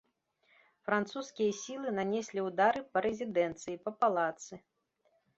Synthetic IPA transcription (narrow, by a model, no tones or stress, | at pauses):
fɾant̪suskʲijɐsʲilˠɨnanʲɛsʲlʲiwd̪aɾɨpɐɾɛzʲid̪ɛnt̪sɨjipɐpalˠat̪sɨ